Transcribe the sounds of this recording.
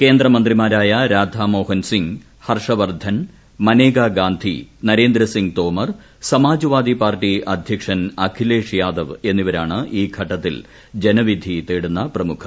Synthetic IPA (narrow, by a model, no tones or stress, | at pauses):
ke̞ːnd̪ɾɐmɐnd̪rimaːɾaːjɐɾaːd̪ʱamo̞ːhɐnsiŋɡ | hɐrʂɐʋɐrd̪ʱɐn | mɐneːɡaːɡaːnd̪ʱḭnɐɾe̞ːnd̪ɾɐsiŋɡt̪o̞ːmɐr | sɐmaːd͡ʑɐʋaːd̪ipaːrʈiɐd̪ʱjɐkʂɐnɐkʰile̞ːʂjaːd̪ɐʋenːiʋɐɾaːɳɨʔiːɡʰʱɐʈːɐt̪ːil | d͡ʑenɐʋid̪ʱit̪eːɽunːɐprɐmukʰɐ